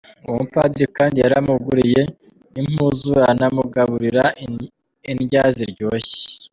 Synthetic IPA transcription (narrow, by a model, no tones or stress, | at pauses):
uupa̰dɾikaːndijaɾamuɡuɾije̞ | im̥uzuanamuɡaβuɾiɾa | inɟaziɾɟo̞ːçe̥